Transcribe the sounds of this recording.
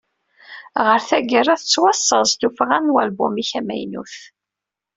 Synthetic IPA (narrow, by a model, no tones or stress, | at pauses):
ʁəɾθæɡərˤaθət͡sːwɑsˤːəlˤst̪ufʁænwælbʊmiçæmæ̰jnṵθ